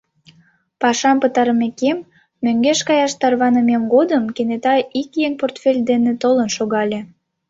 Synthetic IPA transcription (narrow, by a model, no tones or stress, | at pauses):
pɑʃɑmpət̪ɑɾəmekemː | øŋɡeʃkɑjɑʃt̪ɑrβɑnəmemɡod̪əmkenet̪ɑikjeŋport̪fʲelʲd̪enet̪olənʃoɣɑlʲe